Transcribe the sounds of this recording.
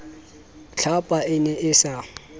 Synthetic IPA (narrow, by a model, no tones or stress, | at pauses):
ɬʰapʼaʔɪnɛʔɪsa